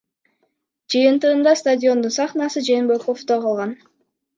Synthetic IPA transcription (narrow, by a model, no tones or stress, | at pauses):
d͡ʒɨjɯnt̪ɯʁɯnd̪ɑst̪adʲio̞nd̪unsɑχnɑsɯd͡ʒenbeko̞ft̪oqʰɑlˠʁɑn